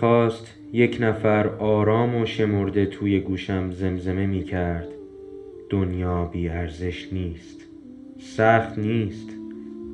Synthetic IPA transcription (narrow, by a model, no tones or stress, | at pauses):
ɒːst̪ | je̞cʰnæfæɾɒːɾɒːmoʃe̞mo̞ɾd̪e̞t̪ʰuːje̞ɡuːʃæmze̞mze̞me̞miːcʰæɾd̪̥ | d̪̥onjɒːbiːæɾze̞ʃniːst̪ | sæxt̪niːst̪